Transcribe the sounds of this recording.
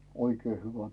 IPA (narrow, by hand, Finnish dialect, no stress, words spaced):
oikeː hyʋæ